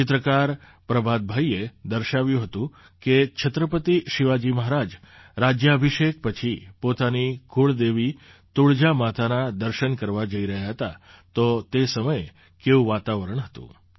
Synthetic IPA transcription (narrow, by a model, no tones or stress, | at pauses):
t͡ʃɪt̪ɾəkaɾ | pɾəbʱad̪̚bʱaied̪əɾʃaʋjũɦət̪ũ | ket͡ʃʰət̪ɾəpət̪iʃɪʋad͡ʒiməɦaɾad͡ʒ | ɾad͡ʒjəəbʱiʃek̚pət͡ʃʰipot̪aniɡʱuɭd̪eʋi | t̪uɭd͡ʒamat̪ʰanad̪əɾʃənkəɾʋad͡ʒəiɾəɦjaɦət̪at̪ot̪esəməje | keũʋat̪aʋəɾəɳ̃ɦət̪ṵ̃